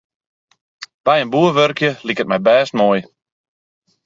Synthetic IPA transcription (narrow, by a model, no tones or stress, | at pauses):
b̥ɛjənbuəʋørkjəlikət̚mɛjbɛːstmoj